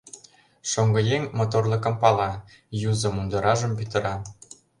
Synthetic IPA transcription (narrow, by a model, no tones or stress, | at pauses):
ʃoŋɡɤ̆jeŋmot̪orlˠɤ̆kɤ̆mpɑlɑ | juzɤ̆mund̪ɤ̆ɾʔɑʒə̆mpyt̪ə̆ɾɑ